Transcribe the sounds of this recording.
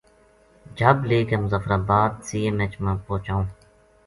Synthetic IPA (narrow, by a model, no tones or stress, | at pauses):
d͡ʒʱəbleːkemʊzaːfɾaːbaːd̪siːeːmet͡ʃmãːpoːt͡ʃaːũː